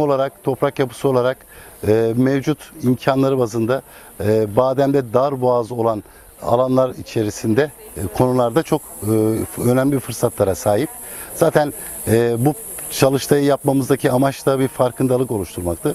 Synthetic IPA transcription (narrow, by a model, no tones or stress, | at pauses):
o̞lˠaɾak̚t̪ʰo̞pɾakjapʰɯ̥sɯo̞lˠaɾak | ɯːmɛvd͡ʒut̪imcʰanlˠaɾɯbazɯnd̪a | baːd̪æmd̪ɛd̪aɾbuazo̞lˠan | a̰lˠanlˠaɾit͡ʃʰe̞ɾisind̪ɛkʰo̞nulˠaɾd̪at͡ʃʰo̞kː | ø̞næmlʲifɯɾsat̪lˠaɾasaːɦip̚ | z̥aːt̪ʰænɛːbu | t͡ʃʰalˠɯʃt̪ʰˠajɯjapmamɯzd̪acʰiamat͡ʃt̪abiɾfaɾkʰɯnd̪alˠɯko̞lˠuʃt̪ʰuɾmakt̪ʰɯ